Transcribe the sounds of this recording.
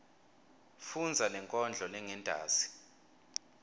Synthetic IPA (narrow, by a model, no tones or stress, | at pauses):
fund͡zʱalɛŋkʼɔnd͡ɮʱɔlɛŋɛndʱa̰ːsi̥